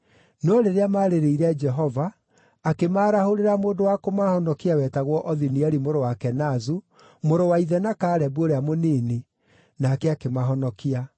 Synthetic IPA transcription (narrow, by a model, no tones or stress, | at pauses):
nɔɾeɾeamaːɾeɾeiɾɛd͡ʒɛɦɔvaː | kemaːɾahoɾeɾamoːndowakomahɔnɔkiawɛːtaɣwɔʔɔðiniɛɾimoɾowakɛnazu | moɾowaiðɛnakaːɾɛboɾeamoniːni | naːkɛakemaɦɔnɔkia